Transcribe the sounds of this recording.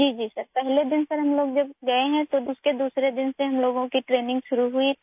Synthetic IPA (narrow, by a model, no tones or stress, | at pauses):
d͡ʒiːd͡ʒiːsɐɾpɛɦled̪ɪnsɐɾɦɐmloːɡd͡ʒɐbɡɐeɦɛ̃t̪od̪uːsked̪uːsɾed̪ɪnseɦɐmloːɡõkiʈɾeːnɪ̃ŋɡʃʊɾuɦui